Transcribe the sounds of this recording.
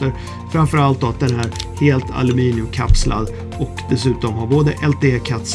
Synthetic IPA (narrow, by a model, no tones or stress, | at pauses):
əɾ | fɾamfœɾalt̪̚d̪ɔat̪̚d̪ɛnɦæːɾheːlt̪ʰa̰lʉmiːnɪɵmkʰa̰pslʔa̰d̪ | ɔkd̪ɛsʉ̟ːt̪ɔmɦaɾboːd̪əʔɛlt̪ʰeːekʰat̪s